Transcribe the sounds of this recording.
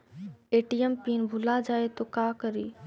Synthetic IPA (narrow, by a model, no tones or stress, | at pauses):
eːʈijempiːnbʱʊlad͡ʒaːet̪okaːkəɾiː